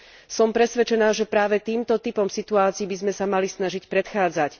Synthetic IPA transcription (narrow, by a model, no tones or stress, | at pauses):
sɔmpɾɛsʋɛt͡ʃɛnaːʒɛpɾaːʋɛt̪iːmt̪ɔt̪ipɔmsit̪uaːt͡siːbizmɛsamalisnaʒicpɾɛt̪xaːd͡zac